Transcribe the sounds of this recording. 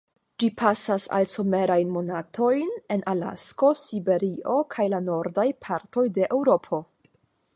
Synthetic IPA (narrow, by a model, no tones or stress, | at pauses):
d͡ʒipʰasasa̰lso̞me̞ɾajnmo̞natʰo̞jne̞nʔala̰sko̞sibe̞ɾiʔo̞kʰajlano̞ɾdajpʰaɾto̞jde̞ʔewɾo̞pʰo̞